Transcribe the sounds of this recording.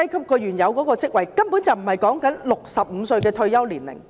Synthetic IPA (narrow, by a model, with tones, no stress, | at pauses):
ɐ˥jkʰɐ˥p̚kɔː˧jɥyː˨˩njɐ˨˧wkɔ˨˥kɔː˧t͡sɪ˥k̚wɐ˨˩jkɐ˥mpuː˨˥nt͡sɐ˨wm̩˨˩hɐ˨jkɔː˨˥ŋkɐ˨˥nlʊ˨k̚sɐ˨p̚m̩˨˧sɵ˧ɥkɛː˧t̪ʰɵ˧ɥjɐ˥wliː˨˩nlɪ̰˨˩ŋ